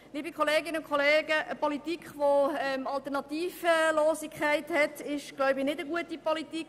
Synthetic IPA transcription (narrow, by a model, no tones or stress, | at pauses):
liːbikʰχoleːɡɪnəʊkχoleːɡəʔəpɔlitikχʋoɛmɑlt̪ɛɾnɑt̪iːfəlɔːsikʰχæɪthɛtɪʃɡ̥lɔwbɪnɪdəɡuətipɔlitik